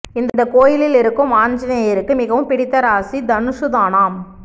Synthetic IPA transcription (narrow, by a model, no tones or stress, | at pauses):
ɪnd̪d̪ɐkoːjɪlɪlɪɾɯkːɯmaːɲd͡ʒɪnɐɪɾɯkːɯmɪɣɐʋɯmpɪɽɪt̪ːɐɾaːsid̪ɐnɯʂɯðaːnaːm